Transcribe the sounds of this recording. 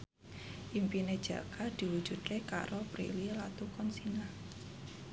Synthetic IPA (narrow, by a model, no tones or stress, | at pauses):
ʔimpined̥ʒ̥a̰kad̪̥i̤wud̥ʒ̥ṳd̪̚keka̰ɾopɾḭlilat̪ukɔnsina